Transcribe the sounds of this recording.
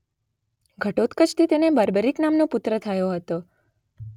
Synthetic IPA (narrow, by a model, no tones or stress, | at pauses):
ɡʱəʈot̪kət͡ʃʰt̪ʰit̪enebəɾbəɾiknamnopʊt̪ɾət̪ʰəjoɦət̪o